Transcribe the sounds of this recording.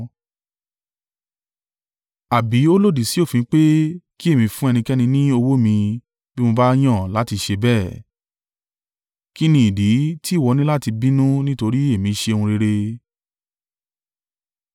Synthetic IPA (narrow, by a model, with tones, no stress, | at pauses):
a˨bi˨˦o˦lo˦˨di˨si˨˦o˦˨fĩ˨˧˦k͡pe˦ki˦e˦˨mĩ˧fũ˦ɛ˧nĩ˧kɛ˦nĩ˧nĩ˦o˧wo˦mĩ˧ | bi˦mõ˧ba˦j̃ɔ̃˦˨la˦ti˧ʃe˧bɛː˦˨ | ki˦nĩ˦i˨di˨˦ti˦˨wɔ˧nĩ˦la˦ti˧bĩ˦nũ˦nĩ˦to˧ɾi˦e˦˨mĩ˨˧ʃe˧o˧ũ˧ɾe˧ɾe˧